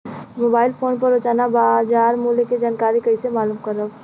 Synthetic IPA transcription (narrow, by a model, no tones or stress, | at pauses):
moːbaːɪlpʰoːnpəɾot͡ʃaːnabad͡ʒaːɾmuːleked͡ʒaːnkaːɾikəɪsemaːluːmkəɾəb